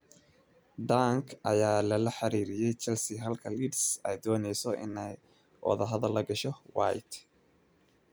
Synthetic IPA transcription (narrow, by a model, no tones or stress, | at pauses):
ɖ̪aŋkʰʔɐjaːlɐlɐħɑɾiːɾɪjɛjt͡ʃɐlsɪɦɐlkʰɐliːdsɛjd̪ɔːnɛjsɔʔɪ̰nɛj | wɑ̰ðɐɦɐðɐlːɐɡɐʃɔwa̰jt̪